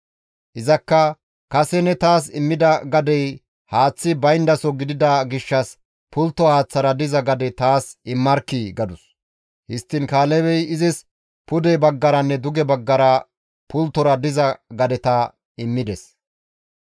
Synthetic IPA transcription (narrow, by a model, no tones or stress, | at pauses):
ʔɪzɐkːɐ | kɐsɛnɛt̪aːs̬ɪmːɪd̪ɐɡɐd̪ɛj | haːt͡sːɪbɐjnd̪ɐsɔɡɪd̪ɪd̪ɐɡɪʃːɐs | pʊlt̪ːɔhaːt͡sːɐɾɐd̪ɪzɐɡɐd̪ɛt̪aːsɪmːɐɾkiɡɐd̪ʊs | hɪst̪ːɪnkaːlɛbɛjɪzɪs | pʊd̪ɛbɐɡːɐɾɐnːɛd̪ʊɡɛbɐɡːɐɾɐ | pʊlt̪ːɔɾɐd̪ɪzɐɡɐd̪ɛt̪ɐ | ɪmːɪd̪ɛs